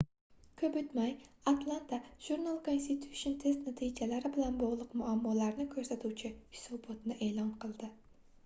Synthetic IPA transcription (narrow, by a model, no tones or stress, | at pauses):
kʰʲɵpɵt̪majat̪ʰlˠant̪ʰaʒ̥uɾnalˠkʰonst̪it̪ʰu̥ont̪ʰest̪nat̪ʰid͡ʒalaɾɪbɪlanbɒʁlˠɨqmʊamːɒlaɾnɪkʲʰɵɾsat̪ʰuwt͡ʃʰɪhɪ̥sɒbɒt̪nɪʔeːlˠɒnqʰɨlˠd̪ɪ